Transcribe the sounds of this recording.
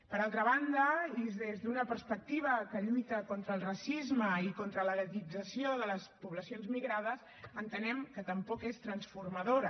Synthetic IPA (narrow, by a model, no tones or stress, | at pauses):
pəɾalˠt̪ɾəβ̞and̪əizðezðunəpəɾspək̚t̪iβ̞əkəʎujt̪əkɔnt̪ɾəːlˠrəsizməikont̪ɾələɾət̪id͡zəsioðələspuβləsionzmiɣɾað̞əs | ənt̪ənɛmkət̪əmpɔkest̪ɾənsfurməðoɾə